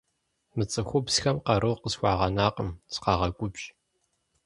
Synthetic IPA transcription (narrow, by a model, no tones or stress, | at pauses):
mɨt͡sʼɨxʷʊpsxɐmqɑɾɨwqəsxʷɑːʁɐnaːqəmsɨ̥qɑːʁɐkʷʼʊbɕ